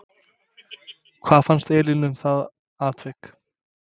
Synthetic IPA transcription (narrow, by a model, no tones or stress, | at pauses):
kʰv̥aːðfanst̪ɛːlinʏmθað | aːt̪vɛk